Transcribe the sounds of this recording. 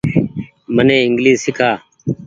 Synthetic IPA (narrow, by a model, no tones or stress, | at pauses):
mənẽːɪŋɡliːzsɪkʰaː